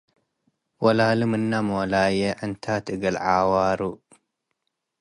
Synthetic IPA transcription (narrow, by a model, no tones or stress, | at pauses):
wɐlalɨmɨnːamɔlajeʕɨnt̪ʰat̪ʰɨɡɐlʕawaɾu